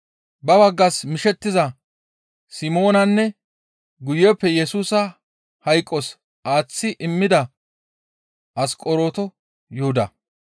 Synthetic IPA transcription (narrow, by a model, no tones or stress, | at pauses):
bɐbɐɡːɐsmɪʃɛt̪ːɪzɐ | sɪmo̞ːnɐnːɛ | ɡʊjːɛpːɛjɛsuːsɐ | hɐjkʼːɔs | aːt͡sːɪʔɪmːɪd̪ɐ | ʔɐskʼɔɾo̞ːt̪ɔ | jɔhʊd̪ɐ̰